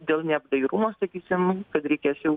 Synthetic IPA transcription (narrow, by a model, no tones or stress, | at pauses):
d̪ʲeːlˠnʲɛbd̪ɐjɾumost̪ɐkʲiːsʲɪmkɐt̪ɾʲɛɪkʲæːsʲjɛ